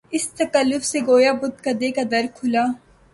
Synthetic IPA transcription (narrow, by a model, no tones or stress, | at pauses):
ɪst̪ɐkəlːʊfseɡoːjaːbʊt̪̚kɐd̪ekad̪ɐɾkʰʊlaː